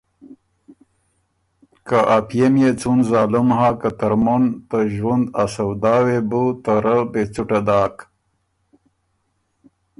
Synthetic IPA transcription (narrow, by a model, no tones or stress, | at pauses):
kaʔapjemjet͡sunzaːlumhakat̪ɐɾmont̪əʒwund̪asɐwd̪aːwebut̪əɾəbet͡suʈad̪aːk